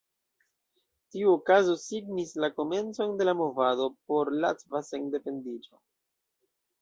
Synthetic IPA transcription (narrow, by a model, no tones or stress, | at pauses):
tiuokazo̞siɡnislako̞me̞nt͡so̞nde̞lamo̞vado̞po̞ɾlatvaseŋde̞pe̞ndid͡ʒo̞̰